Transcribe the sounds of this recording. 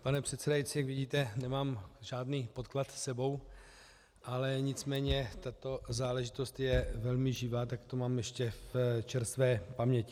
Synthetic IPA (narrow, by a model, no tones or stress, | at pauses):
panɛpr̝̥ɛt̪sɛdajitt͡sɪjakvɪɟiːt̪ɛnɛmaːmʒaːdniːpot̪klat̪sɛbo̞w | ʔalɛɲɪt͡smɛːɲɛt̪at̪o̞zaːlɛʒɪt̪o̞st̪jɛvɛlmɪʒɪvaːt̪akt̪o̞maːmjɛʃcɛft͡ʃɛɾst̪vɛːpamɲɛcɪ̥